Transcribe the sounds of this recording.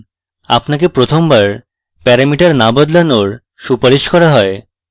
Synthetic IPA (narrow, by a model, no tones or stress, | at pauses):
a̰pnak̬epɾot̪ʰombaɾ | pɛɾamiʈaɾnabɔd̪lanoɾ | ʃupaɾiʃkɔɾaɦɔe